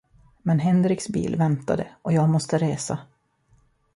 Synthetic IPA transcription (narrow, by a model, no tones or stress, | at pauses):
mɛnɦɛnd̪ɾɪksbḭːlvɛnt̪a̰d̪ə̰ʔɔjɑːɡmɔst̪əɾeːsa